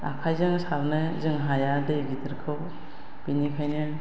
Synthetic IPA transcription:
a̰kʰajzɯŋsaɾnɯzɯŋɦajadɯjɡid̪ɯɾkʰɯw | b̥inikʰajnɯn

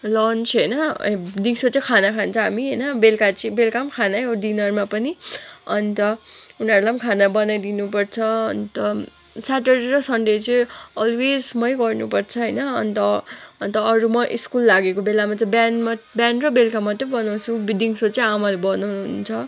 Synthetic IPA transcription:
lʌnt͡sɦʌjnʌɖiŋsot͡sakʰanakʰant͡sʰʌ̃ɦamiɦʌjnʌbelkat͡sʌbelkamkʰanaʌɖinʌrmapʌniʌnt̪ʌunʌɾulamkʰanabʌnajd̪inupʌrt͡sʰʌʌnt̪ʌ | saʈeɾiɾʌsʌɳɖet͡sʌʌlwed͡zmʌjɡʌrnupʌrt͡sʰʌɦʌjnʌʌ̰nt̪ʌʌnt̪ʌːɾumʌʔḭskulːaɡekobelamat͡sʌbanmabanrʌbelkamːat̪ʌbʌnat͡sʰũdiŋsot͡sʌĩamalebʌnaɦunt͡sʰʌ

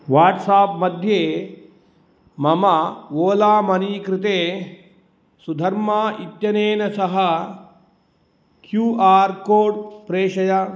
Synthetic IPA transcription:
ʋaːʈsaːpmɐd̪ʱjeː | mɐmɐʋoːlaːmɐniːkɾɪt̪eː | sud̪ʱɐɾmaːʔit̪jɐneːnɐsɐɦɐ | kjuːaːɾkoːɖpɾeːʃɐjɐ

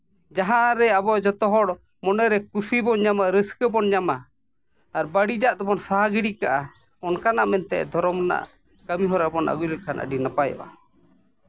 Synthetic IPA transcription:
d͡ʒaɦaɾɛabɔʔd͡ʒɔt̪ɔɦɔɽ | mɔnɛɾɛkusibɔnɲamaɾəskəbɔnɲamaː | ɾbaɽid͡ʒaʔd̪ɔbɔnsaɦaɡiɽikaʔa | ɔnkanaʔmɛnt̪ɛ̰ʔd̪ʱɔɾɔmna̰ʔ | kamiɦɔɾabɔnʔa̰ɡulɛlkʰanʔə̰ɖinapajɔ̰ʔa̰

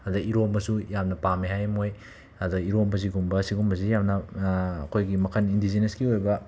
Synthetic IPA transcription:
ɐduiɾomɐsujamnɐpamiɦajmoj | ɐduiɾombɐziɡumbɐsiɡumbɐzijamnɐːkʰojɡimɐkʰɐnindizineskiojbɐ

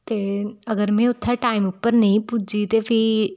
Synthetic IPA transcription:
t̪eːəɡəɾmɛ̃ːʊt̪ʰːaːʈaːimʊpːəɾnəĩːpud͡ʒiːt̪eːpʰɪ

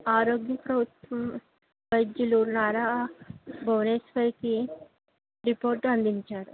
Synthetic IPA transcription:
aːɾoːɡjɐpɾɐbʱut̪ʋɐm | bɐjd̪jiluɾnaːɾa | bʱɐwneːspɐjki | ɾipoːɾʈɐnd̪iɲt͡ʃaːɾu

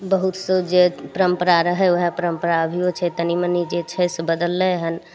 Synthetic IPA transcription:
bəɦut̪sod͡ʒepəɾəmpəɾaɾəɦəoɦpəɾəmpəɾaəbʱiot͡ʃʰɛt̪ənimənid͡ʒet͡ʃʰɛsbəd̪əlːəeɦən

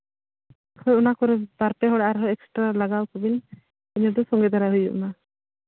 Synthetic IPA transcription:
kʰɔunakɔɾɛbaɾpɛɦɔɽaʔaɾɦɔɛksʈɾalaɡawkubin | iɲɔd̪usɔŋɡɛd̪aɾaɦujṵʔma

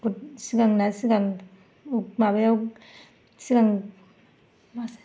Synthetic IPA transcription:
put̚siɡaŋnasiɡaŋ | uk̚mabajawk | siɡaŋ | ma

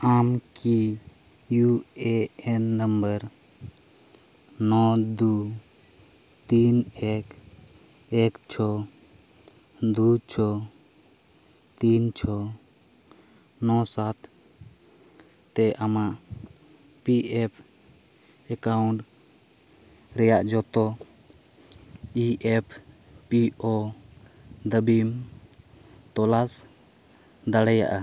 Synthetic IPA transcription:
amki | jueenːəmbəɾ | nɔd̪u | t̪inek | ekt͡ʃʰɔ | d̪ut͡ʃʰɔ | t̪int͡ʃʰɔ | nɔsat̪ | t̪ɛʔamaʔ | piʔɛpʰ | ɛkauɳʈ | ɾɛjaʔd͡ʒɔt̪ɔ | iɛpʰ | piʔɔ | d̪əbim | t̪ɔlas | d̪aɽɛja̰ʔa

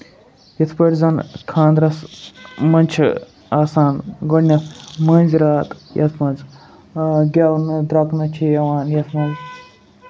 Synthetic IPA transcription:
jɐt̪ʰpəɾʲzɐnkʰãːnd̪ɾɐsmɐnʲt͡ʃʰḭ | aːsaːnɡonʲːɐmɐnʲziɾaːt̪jʔɐ̰t̪ʰmɐnz | ɡʲɐwnd̪ɾɐknɐt͡ʃʰijɐʋaːnjɐt̪ʰmɐnd͡z

